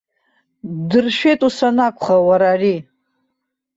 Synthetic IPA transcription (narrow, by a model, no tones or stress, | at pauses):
dɨrʃᶣe̞jtʼusanakʷʰʼχawaɾaːri